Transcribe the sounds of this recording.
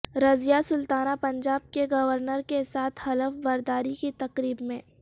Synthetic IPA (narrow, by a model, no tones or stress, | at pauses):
ɾɐzijasʊlt̪aːnapɐ̃ɲd͡ʒaːb̚keɡɐʋəɾnəɾkesaːt̪ʰhɐləfbɐɾd̪aːɾikit̪ɐqɾiːbmẽː